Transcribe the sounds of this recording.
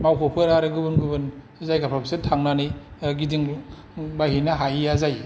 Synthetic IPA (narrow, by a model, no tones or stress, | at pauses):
mawkʰɔpʰɯɾaɾɯɡɯbɯnɡɯbɯn | zajkapʰapʰsetʰaŋnaniɡidiŋ | bahinaɦajazaj